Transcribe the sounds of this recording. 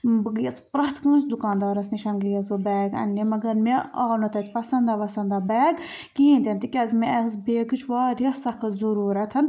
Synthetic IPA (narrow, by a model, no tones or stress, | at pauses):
bɨɡɨjɐspɾɐt̪kɨːnsd̪ukaːnd̪ɑːɾɐsniʃɐnɡɨjɐzʋɨbɛːɡɐ̰nːemɐɡɐɾmeaːnot̪ɐt̪ʲpɐsɐnd̪aːʋɐsɐnd̪aːbɛːɡ | kiĩnt̪ʲent̪ikʲɐzmeɛzbeːɡɨt͡ʃʰʋaːɾijɐsɐkzɐɾuːɾɐt̪ʰɐn